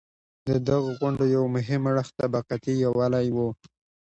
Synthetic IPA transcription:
d̪əd̪aɣoɣwaɳɖojawmʊɦɪmaɽəxt̪abaqat̪ijawalajwo

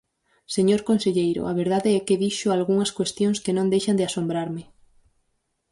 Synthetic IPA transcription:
seɲoɾkonseʎejɾo̰aβeɾð̞aðeɛkeðiʃoalɣuŋɐskwest̪jõŋskenõnd̪ejʃand̪easombɾaɾmɪ

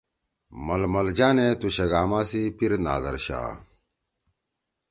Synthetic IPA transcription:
mɐlmɐld͡ʑaːnet̪uɕɐɡaːmaːsipiɾna̰ːd̪ɐ̰ɾɕa̰ː

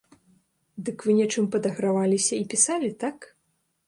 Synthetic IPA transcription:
d̪ɨkvɨnʲɛt͡ʂɨmpɐd̪ɐɣɾavalʲisʲɐipʲisalʲit̪ak

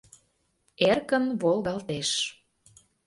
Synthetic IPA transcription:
erkənβolˠɣɑlt̪eʃ

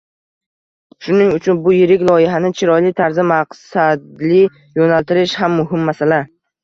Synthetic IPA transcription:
ʃʊnɪŋʊt͡ʃʰʊnbʊjɪɾɪkʲlˠɒjɪɦanɪt͡ʃʰɪɾɒjlɪt̪ʰaɾzɪmaqsad̪lɪ | jonalt̪ɪɾɪʃhamːʊɦɪmːasala

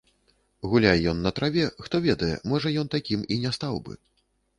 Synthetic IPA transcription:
ɣulʲajɛjɔnːɐt̪ɾavʲɛxt̪ɔvʲɛd̪ɐjɛ̰mɔʐɐjɔnt̪akʲiminʲɛst̪awbɨ̰

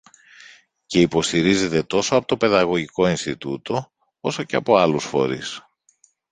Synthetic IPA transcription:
ce̞ipo̞st̪iɾize̞t̪e̞t̪o̞so̞ɐpo̞t̪o̞pe̞ðɐɣo̞ʝiko̞inst̪it̪ut̪o̞ | oso̞ce̞ɐ̰po̞ɐlusfo̞̰ɾis

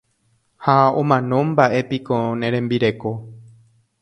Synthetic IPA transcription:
haõ̰mãnõ̞mbaʔe̞pikonẽɾẽ̞mbiɾe̞ko̞

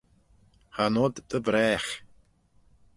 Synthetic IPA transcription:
hanɔd̪əbɾɛːx

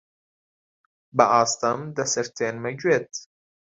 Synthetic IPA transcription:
bɐʔaːst̪ɐmd̪ɐsɐɾt̪ʰeːnmɐɡweːt̪

